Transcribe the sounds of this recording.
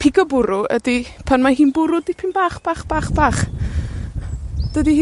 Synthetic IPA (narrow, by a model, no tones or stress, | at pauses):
pʰɪɡɔbʊɾʊə̰dipʰanmaɦiːnbʊɾʊdɪpʰɪnbaːχb̥aːχb̥aːχb̥aːχ | d̥ədihː